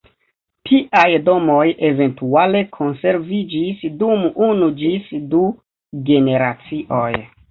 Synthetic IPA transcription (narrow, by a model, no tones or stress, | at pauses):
tʰiʔajdo̞mo̞je̞ve̞ntuale̞kʰo̞nse̞ɾvid͡ʒisdumunud͡ʒisdu | ɡe̞ne̞ɾat͡siʔo̞j